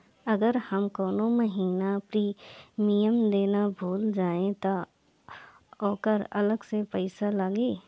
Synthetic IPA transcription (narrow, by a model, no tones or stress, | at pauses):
ɐɡəɾhəmkɔːnoməɦiːnapɾiːmijəmd̪eːnabʱuːld͡ʒaːẽt̪o | ɔːkəɾɐ̰ləɡsepəɪsalaːɡiː